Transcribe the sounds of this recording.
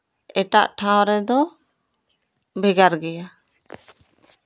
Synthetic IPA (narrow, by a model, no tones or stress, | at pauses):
ɛʈa̰ʔʈʰaw̃ɾɛd̪ɔ | bɛɡaɾɡɛja